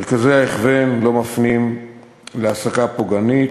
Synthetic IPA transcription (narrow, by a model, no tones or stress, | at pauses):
eʁkazeaeχvenlo̞mafnim | leasakapoɡanit